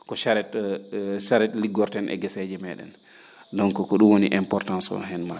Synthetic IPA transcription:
kɔʃaɾɛt | ʃaɾɛtliɡɔɾtɛnʔɛ̰ɡɛsɛd͡ʒɛmɛɗɛ̰n | dɔŋkɔkɔɗumwoniʔɛmpɔɾtansɔ̰ɦɛnma

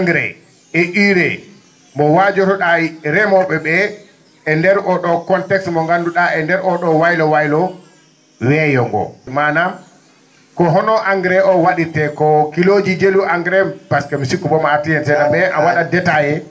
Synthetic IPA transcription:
aŋɡɾɛ̰ | ɛʔiɾɛ | mbɔwad͡ʒɔɾɔɗaɾɛmɔɓɛɓɛ | ɛndɛɾʔɔɗɔkɔntɛksmɔŋɡanduɗaɛndɛɾɔɗɔwajlɔwajlɔ | wɛjɔŋɡɔ̰mana | kɔɦɔnɔʔaŋɡɾɛʔɔwaɗitɛkɔkilod͡ʒid͡ʒeluʔaŋɡɾɛbaskɛmisikːubɔmaːtijɛnsɛnaɓɛʔawaɗadɛtajɛ

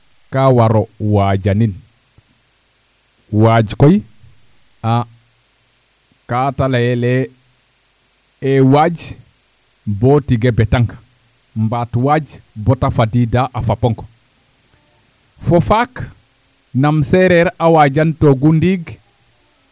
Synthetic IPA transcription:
kawaɾɔwad͡ʒanin | wad͡ʒkɔj | a | katalajɛlɛ | ɛwad͡ʒ | bɔtiɡɛbɛtaŋk | mbaːtwad͡ʒbɔtafadidaʔafapɔŋkɔ̥ | fɔfak | namsɛɾɛɾʔawad͡ʒantoɡundiɡ

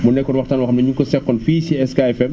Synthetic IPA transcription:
mɔnːɛkːɔɾwɐxtaːnwɐxɐmnɐɲuŋkɔsɛkːɔnfiːsiɛskaɛfɛm

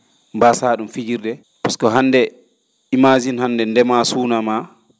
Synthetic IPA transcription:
mbasaːɗumfid͡ʒiɾdɛ | paskɔɦanːdɛ | imazinhandɛndɛmasuːnama

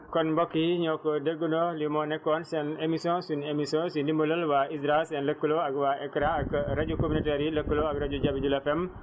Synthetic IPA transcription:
kɔnbokːiɲokːodeɡunolimonekːɔːnsɛnemisɔ̃sunemisɔ̃sindimulɐlwaisɾasɛnləkːuloaɡwaekɾãakɾaɟukominoteɾiləkːuloakɾaɟuɟabid͡ʒulɐfɛm

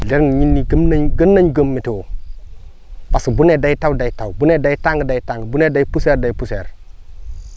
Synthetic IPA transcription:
leɾniɲinːiɡəmnaɲɡənːaɲɡəmːitiwo | pasibunedajtawdajtawbunedajtaŋɡdajtaŋɡəbunedajpuseɾdajipuseɾ

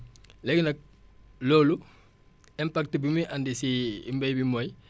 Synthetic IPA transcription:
lɛɡnɐk̚ | loːlu | ɛmpak̚tibimiʔandisiḭmbɐjbimɔj

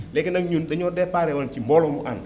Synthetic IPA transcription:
lɛkinaŋɲundaɲodɛpaːɾewat͡ʃimbɔlɔmuʔan

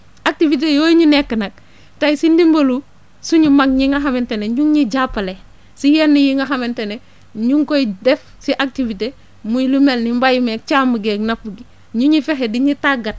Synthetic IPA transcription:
ak̚tivit̬ejoɲinekːənak̚ | tajisindimbolu | suɲimakɲiŋɡaɦamenteneɲuŋɲiɟapːale | sijanːijiŋɡaxamentene | ɲuŋkojdef | siʔak̚tivite | muilumelnimbajimek̚t͡ʃamuɡeknafuɡi | ɲuɲifeɦediɲitaɡat̚

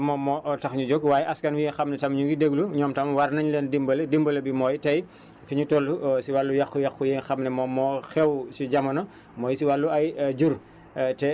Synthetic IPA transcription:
mɔmɔʔtɐxɲud͡ʒɔɡwaːjɛʔɐskɐnwienxɐmnɛtɐmɲuɡideɡluɲɔːmtɐmwɐɾnɐɲlendimbɐledimbɐlɐbimɔːjtɐj | fiɲutɔlːusiwalːujɐxːujɐxujenxɐmnɛmɔmɔːxɛwsiɟɐmɐnɐ | mɔːjsiwalːuɐjd͡ʒur | tɛ

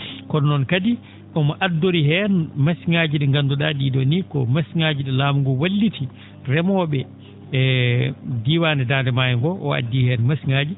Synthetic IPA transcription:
kɔnnɔnkadi | ɗɔmɔʔadːoɾiɦɛnmasiŋad͡ʒiɗɛŋɡanduɗadidɔnikɔ̰masiŋad͡ʒiɗɛlaːmuŋɡɔwalːitʰi | rɛmɔɓɛ | diːwandɛdaːndɛmajɛŋɡɔʔɔa̰dːihɛnmasiŋaːd͡ʒi

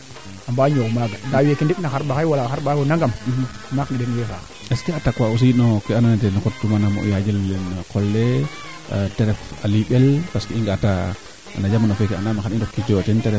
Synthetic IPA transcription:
ambaɲowmaɡanawekindipnaxaɾbakajwalaxaɾbaɡonaŋɡamihmaknidenwefa | eskeatakwaus̬inokeananatenkottumanamo̰jad͡ʒilnkolːḛ | teɾefaliɓelpaskeiŋɡata̰ | nad͡ʒamanofekea̰namaxaindokkideotenteɾe

